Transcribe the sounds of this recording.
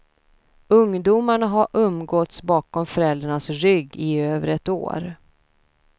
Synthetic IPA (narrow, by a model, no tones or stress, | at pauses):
ɵŋd̪uːmaɳaɦaɾʔɵmɡɔt̪sbɑːkɔmfœɾɛld̪ɾaɳasɾʏɡːɪøːvəɾɛt̪o̰ːɾ